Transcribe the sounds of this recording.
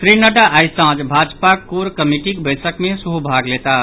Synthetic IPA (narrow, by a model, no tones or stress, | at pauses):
sɾinəɖaʔajsãd͡ʒbʱad͡ʒpakuɾkəmiʈikbəjsəkmesuɦubʱaɡlet̪a